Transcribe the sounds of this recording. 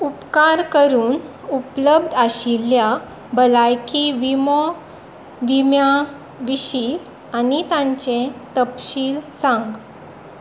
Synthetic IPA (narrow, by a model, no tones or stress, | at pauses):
upkaɾkəɾuːn | upləb̚d̪ʱaɕilja | bəlajkiʋimɔ | ʋimja | ʋiɕi | anit̪ãɲt͡ɕẽt̪əpɕiːlsãŋɡ